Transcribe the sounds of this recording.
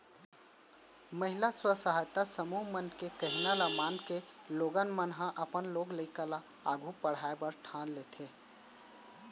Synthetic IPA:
məɦɪlaswəsaɦajt̪asəmuːɦmənkekəɦinalamaːnkeloːɡənmənɦãʔəpənloːɡləɪkəla | aːɡʱupəɽ̤aːebəɾʈʰãːnleːt̪ʰeː

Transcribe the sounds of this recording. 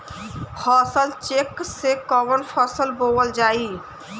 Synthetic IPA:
fɔsalt͡ɕeksekɔmonfɔsəlbowald͡ʑaji

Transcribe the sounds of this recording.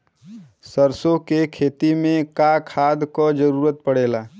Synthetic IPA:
səɾsõkekʰeːt̪imẽkakʰaːd̪kɔd͡ʒəɾuːɾət̪̚pəɽ̤eːlaː

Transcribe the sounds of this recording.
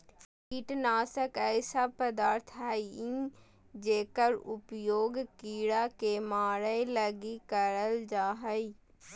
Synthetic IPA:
iʈnaːsəkɛːsapəd̪aːɾt̪ʰɦaːiĩː | d͡ʒeːkəɾʊpjoːɡkiːɽaːkemaːɾələɡiːkəɾəld͡ʒaːɦəiː

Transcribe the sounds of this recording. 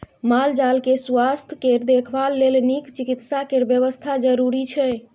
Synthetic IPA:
mald͡ʒalkeswast̪ʰkeɾd̪ekʰbalːelnikt͡ʃikit̪sakeɾbjəβəst̪ʰad͡ʒəɾuɾit͡ʃʰɛ

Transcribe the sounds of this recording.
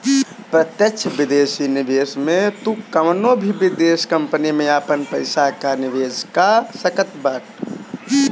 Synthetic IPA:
pɾət̪jəkt͡ʃʰbid̪eːsinibesmẽt̪ukəmnobʱibid̪eːskəmpənimẽapənpəɪsakaniʋeːd͡ʒkasəkət̪baʈ

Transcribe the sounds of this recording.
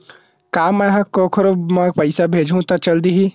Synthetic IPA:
kaːmɛɦãkoːkʰəɾomãpɐɪsabʱeːd͡ʒʱũt̪ɐt͡ʃɐld̪iɦi

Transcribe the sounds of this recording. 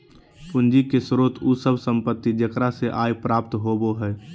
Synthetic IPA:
pʊnd͡ʒikesɾoːt̪ʰusəbsə̃mpət̪ːid͡ʒəkɾaseʔaːjpɾaːp̚t̪ɦoːboɦɛː

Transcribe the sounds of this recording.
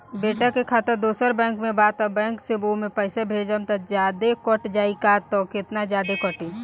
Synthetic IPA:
beːʈəkekʰaːt̪əɾd̪uːsəɾbɛ̃ːŋkmẽbaːt̪ɔbɛ̃ːŋksebomẽpɛːɪsebʱeːd͡ʒənt̪ɐd͡ʒjaːd̪ekɔʈd͡ʒaːikat̪ɔːkɪt̪nad͡ʒjaːd̪ekɔʈĩ

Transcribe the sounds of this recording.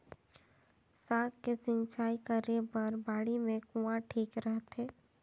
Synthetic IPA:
saːkkesɪ̃nt͡ʃaːikəɾepɐɾbaːɽimẽkuãʈʰiːkɾəɦt̪ɛː

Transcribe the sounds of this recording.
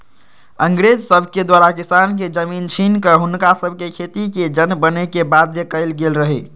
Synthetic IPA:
əŋɡɾed͡ʒsəbʱked̪waɾakisanked͡ʒəmint͡ʃʰinkəɦunkasəbʱkekʰet̪iked͡ʒənbənekebad̪ʱjəkəɪlɡelɾəɦɛ

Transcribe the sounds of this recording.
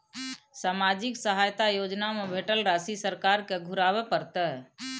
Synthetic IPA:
saːmad͡ʒɪksəɦaːjt̪ajoːd͡ʒnamebʱeːʈəlɾaːsisəɾkaːɾkeɡʱʊɾaːwepəɾt̪ɛɦ

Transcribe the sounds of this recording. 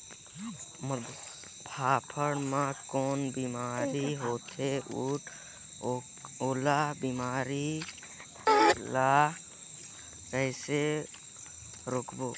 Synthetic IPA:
mə | pʰaːpʰəɽmãkoːnbimaːɾiɦoːt̪ʰeuːʈʰː | oːlabiːmaːɾi | laː | kəɪse | ɾokʰboː

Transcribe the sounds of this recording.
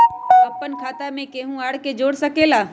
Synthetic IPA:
ɐpːənkʰaːt̪amẽkeːɦũaːɽked͡ʒoːɽsəkelaː

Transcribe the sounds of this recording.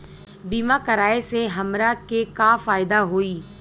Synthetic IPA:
biːmakəɾaːeseɦɐmɾakekaːfaːɪd̪aɦoːiː

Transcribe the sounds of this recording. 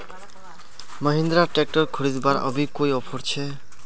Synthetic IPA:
mʌɦind̪ɾaʈek̚ʈɔɾkʰuɾid͡zbaɾɔ̰bikojɔpʰɔɾt͡ɕʰe

